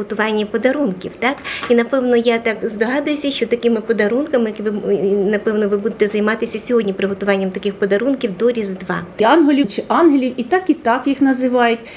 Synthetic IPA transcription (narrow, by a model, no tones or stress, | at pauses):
ɦɔt̪ʊʋɑnʲːɐpɔd̪ɐɾunkʲiwt̪ɑkinɐpɛwnɔjat̪ɑkzd̪ɔɦɑd̪ʊjʊsʲɐʃt͡ʃɔt̪ɐkɪmɪpɔd̪ɐɾunkɐmɪkʋɪnɐpɛwnɔʋɪbud̪et̪ɛzɐjmɑt̪ɪsʲɐsʲɔɦɔdʲnʲipɾɪɦɔt̪ʊʋɑnʲːɐmt̪ɐkɪxpɔd̪ɐɾunkʲiwd̪ɔɾʲizd̪ʋɑ̰ɑnɦɔlʲit͡ʃɪʔɑnɦelʲiwit̪ɑkit̪ɑkjixnɐzɪʋɑjʊtʲ